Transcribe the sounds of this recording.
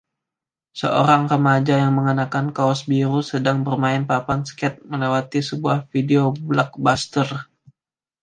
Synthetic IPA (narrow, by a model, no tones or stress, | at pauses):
sə̰ʔo̰ɾaŋrəmad͡ʒajaŋməŋənakankaɔsbiɾusədaŋbərmaɪnpapanskɛt̪̚məlewat̪isəbuahfideoblak̚bast̪ər